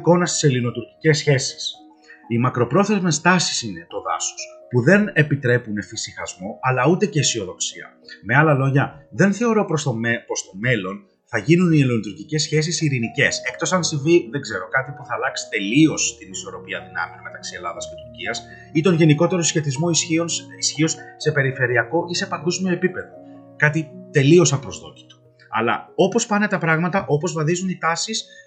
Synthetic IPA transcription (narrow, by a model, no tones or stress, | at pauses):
ko̞nɐst̪i̥se̞lino̞t̪uɾci̥ce̞sçe̞si̥s | imɐkɾo̞pɾo̞θe̞zme̞st̪ɐsi̥sinet̪o̞ðɐ̰so̥spuðe̞ne̞pit̪ɾe̞pune̞fisixɐzmo̞ɐlɐut̪e̞ce̞isio̞ðo̞ksiɐ̰ | me̞ɐlɐlo̞ʝɐðe̞nθe̞o̞ɾo̞ppo̞st̪o̞me̞lo̞n | θɐʝinunielinot̪uɾcice̞sçe̞s̬isiɾinice̞se̞k̚t̪o̞sɐnsiviðeɡze̞ɾo̞kɐt̪ipuθɐːlɐksi̥t̪e̞lio̞st̪iniso̞ɾo̞piɐðinɐ̰mionme̞t̪ɐksie̞lɐðɐsce̞t̪uɾciɐs | it̪o̞nʝe̞niko̞t̪e̞ɾo̞sçe̞t̪izmo̞iinisçio̞sse̞pe̞ɾife̞ɾiɐko̞ʔise̞pɐɡozmioe̞pipe̞ðo̞kɐt̪it̪e̞lio̞sɐpɾo̞zðo̞̰t̪i̥t̪u̥ | ɐ̰lɐ̰o̞po̞spɐne̞t̪ɐpɾɐɣmɐt̪ɐʔo̞po̞zvɐðizunit̪ɐsis